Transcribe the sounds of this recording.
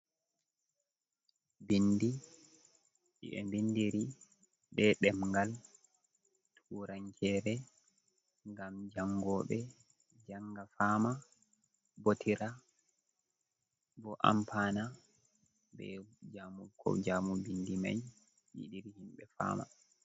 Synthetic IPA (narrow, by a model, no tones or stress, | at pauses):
bindi | ʔḭɛ̰mbindiɾi | bɛɗɛmŋɡal | tʰuːɾaŋkʰɛːɾɛ | ŋɡamd͡ʒaŋɡɔɓɛ | d͡ʒaŋɡafaːma | botʰiɾa | bɔʔa̰mpʰaːna | bɛ̰d͡ʒamukʰɔ̰d͡ʒaːmubindima̰j | jḭɗiɾihimɓɛfa̰ːma̰